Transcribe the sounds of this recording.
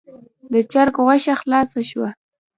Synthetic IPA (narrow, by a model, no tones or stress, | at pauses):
d̪ət͡ʃaɾkʁaʃaxlɑsaʃwa